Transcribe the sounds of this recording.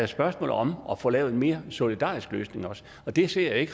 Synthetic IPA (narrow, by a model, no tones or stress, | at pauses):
æsb̥ɶɐsmɔ̰ːð̩ˠɒ̽mɒ̽fɔ̽lɛːʊe̝nme̝ːɐso̝lid̥ɑ̰̈ːisɡ̥lø̰ːsne̝ŋɒ̽s | ɒ̽d̥e̝se̝ɐ̰jae̝ɡ̥